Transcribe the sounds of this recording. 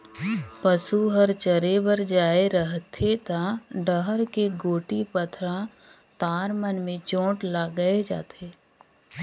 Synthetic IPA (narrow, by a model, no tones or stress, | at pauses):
pəsuɦəɾt͡ʃəɾebəɾd͡ʒaːeɾəɦt̪ʰet̪aɖəɦəɾkeɡoːʈipət̪ʰɾã | t̪aːɾmənmẽt͡ʃõːʈlaɡəed͡ʒa̰ːt̪ʰeː